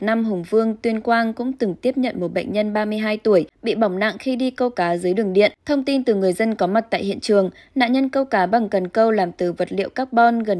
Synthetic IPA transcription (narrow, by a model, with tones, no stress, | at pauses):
na˧mɦʊ˨˩ŋ͡mvɨ˧əŋt̪wi˧ənkwaː˧nkʊ̰˧˥ŋ͡mt̪ɨ˨˩ŋt̪i˦˥əp̚ɲə̰˧˨nmo˨˩t̚ɓə̰˧˨ŋ̟ɲə˧nɓaː˧mɨ˧əjɦaː˧jt̪u˧˩əjɓḭ˧˨ɓa˨˧˩wŋ͡mna̰˧˨ŋxi˧ɗi˧kə˧wkaː˨˦zɨː˨˦jɗɨ˨˩əŋɗḭ˧˨ənt̪ʰə˧wŋ͡mt̪i˧nt̪ɨ˨˩ŋɨ˨˩əjzə˧nkɔ˨˦ma˨˩t̚t̪a̰ː˧˨jɦḭ˧˨ənt͡ɕɨ˨˩əŋ | na̰ː˧˨nɲə˧nkə˧wkaː˨˦ɓa˨˩ŋkə˨˩nkə˧wlaː˨˩mt̪ɨ˨˩və˨˩t̚lḭ˧˨əwkaː˦˥k̚ɓɔ˧nɣə˨˩n